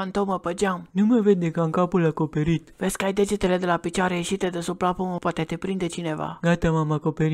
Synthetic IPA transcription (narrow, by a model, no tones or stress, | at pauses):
ant̪oməpəd͡ʒamnuməved̪̚ʲd̪ekaɨŋkapulako̞pe̞ɾit̪vesʲkəajd̪e̞d͡ʒet̪e̞le̞d̪elapit͡ʃaɾejeʃit̪ed̪esuplapoməpwat̪et̪epɾind̪e̞t͡ʃine̞va̰ɡat̪amamakopeɾi